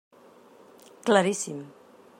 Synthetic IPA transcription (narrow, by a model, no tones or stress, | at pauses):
klaɾisim